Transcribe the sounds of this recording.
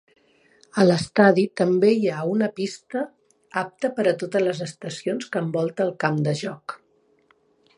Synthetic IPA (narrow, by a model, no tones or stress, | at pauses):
ələst̪aðit̪əmbejaunəpist̪ə | ap̚t̪əpəɾət̪ot̪ələzəst̪əsionskəmbɔlˠt̪əːlˠkamd̪əʒɔk